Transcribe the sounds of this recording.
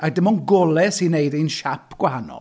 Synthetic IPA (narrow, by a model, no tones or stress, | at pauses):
adɪmɔnɡɔlˠɛsinejðinʃapʰɡ̥wahanɔ̰l